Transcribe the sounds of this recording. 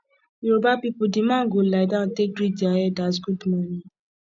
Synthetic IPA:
iɾobapipudimãːɡoladãtek̚ɡɾid͡ʒaɛdasɡudmɔ̃nĩ

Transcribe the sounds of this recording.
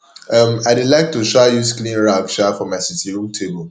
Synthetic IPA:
ʌmaɪdudlaɪk̚tuʃajusklĩnɹaɡʃafɔmaɪsitʰiɹũmtʰebəl

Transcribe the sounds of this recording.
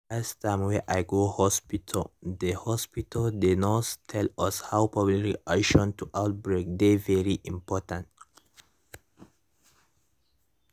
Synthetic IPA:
ɛstʰãmwɛʔaɪɡohɔspitʰəld̪əhɔspitʰəldɪdnɔttʰɛlʌshawpʰɹɔblikliʔaʃɔ̃ntʰuʔaʊt̚bɹek̚d̪evɛɹiʔĩmpʰɔtãnt

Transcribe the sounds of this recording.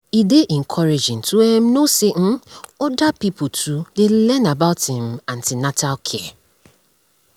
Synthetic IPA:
ideʔɪŋ̩kʰɔɾed͡ʒɪ̃n̩tʰuɛm̩nosen̩ɔdapipotʰudelɛnabaʊthɪ̃mãn̩tɪnatalkʰɪɛ

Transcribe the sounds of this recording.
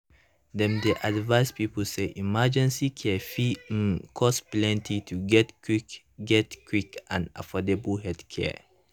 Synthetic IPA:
dɛ̃mdeʔadvaɪspipəl̩seʔimad͡ʒɛ̃nsikʰɛfikʰɔsplɛ̃ntʰitʰuɡɛtik | ɡɛtkʰwikãna̰fɔdebəlɦɛdkʰɛ̰

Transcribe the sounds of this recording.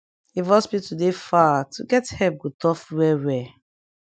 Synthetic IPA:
ivɔsbitudefatʰuɡɛthɛp̚ɡutɔfwɛwɛ

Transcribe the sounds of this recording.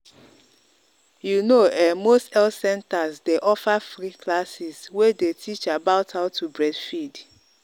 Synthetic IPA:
junoɛmostɛlsɛ̃ntazdeʔɔfafɾikʰlasɪzwedetʰit͡ʃabaʊtʰaʊtʰːubɾɛdfid

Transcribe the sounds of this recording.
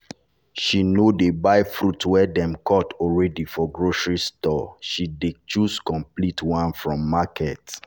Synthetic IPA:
ʃinodebaɪfɹutwɛdɛ̃mkʰɔtʰɔɹɛdifɔɡɹoʃɹistɔʃidet͡ʃuskɔ̃mplitwãnfɹɔ̃mːakʰɛt

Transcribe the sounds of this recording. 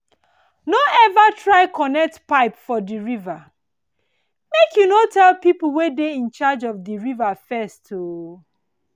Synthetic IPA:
noɛvatʰɹaɪkɔnɛk̚tpaɪpfɔdiɹiva | mekʰjunotɛlpipl̩ˠwedeĩnt͡ʃad͡ʒɔvdiɹivafɛstʰo

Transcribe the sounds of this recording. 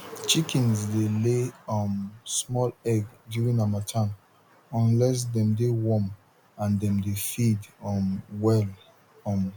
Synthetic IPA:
t͡ʃikʰĩnsdeleɔ̃nsmɔlɛɡdjuɹĩnawatʰãn | ɔ̃nlɛs̬dɛ̃mdewɔ̃m | ãndɛ̃mdefidɔmwɛl | ɔ̃m

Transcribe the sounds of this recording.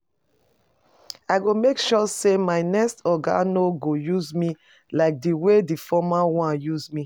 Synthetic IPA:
aɡomekʃɔsemaɪnɛstɔɡa̰noɡojuzmi | laɪk̚diwedifɔmawãnjuzmi

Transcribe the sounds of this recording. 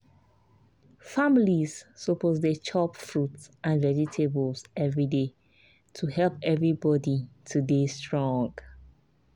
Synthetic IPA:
familizsopʰozdət͡ʃʰɔpfɹutsʔãnvɛditʰebəlsɛvɹide | tʰuhɛlpɛvɹibɔditʰudestɹɔ̃ŋɡ

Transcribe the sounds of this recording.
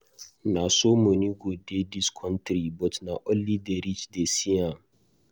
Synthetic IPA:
nasoːmuniɡʷodedɪskʰɔntɾibɔtnaʔɔlːidɛɾit͡ʃdesija

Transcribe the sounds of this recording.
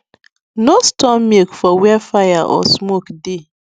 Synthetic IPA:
nostɔmmekfɔwɛfajaʔɔ̰smokde

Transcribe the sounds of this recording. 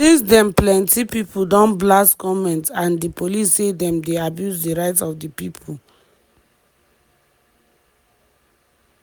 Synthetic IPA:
isdɛ̃mplɛ̃ntipipuldɔ̃nblaskɔmɛ̃ntãndipolisːedɛ̃mdeabjusdiɹaɪtɔfdipipʰul

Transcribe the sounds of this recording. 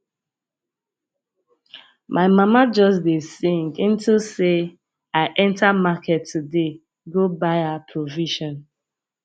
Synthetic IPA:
mʔaɪmamad͡ʒɔs̬desĩŋkĩntʰilse | aɪʔɛ̃ntʰamakʰɛtʰːude | ɡobaɪapʰɹoviʃɔ̃n

